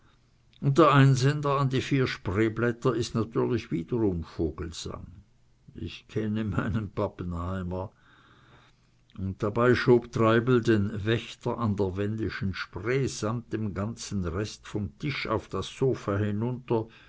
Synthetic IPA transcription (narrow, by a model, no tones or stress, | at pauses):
ʊnt̚d̥eːɐʔaɪnzɛndɐandiːfiːɐʃpʁ̥eːblɛtɐɪstnatʰyːɐlɪçv̥iːdəʁʊmfoːɡ̥l̩z̥a̰ŋ | ɪçkʰɛnəma̰ɪnənpapənhaɪmɐ | ʊnt̚d̥abaɪʃoːbtʁaɪbl̩deːnvɛçtɐʔandeːɐvɛndɪʃn̩ʃpʁeːz̥amt̚d̥emɡant͡sn̩ʁɛstfɔmtʰɪʃa̰ʊfd̥asːoːfaːhɪnʊntɐ